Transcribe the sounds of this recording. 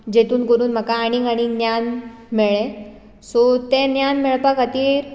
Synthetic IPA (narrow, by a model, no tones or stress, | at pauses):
d͡ʑet̪uːnkoɾuːnm̤əkaːɽ̃iŋaɽ̃injan | meɭẽ | sɔt̪ẽnjanmɛɭpakat̪iːɾ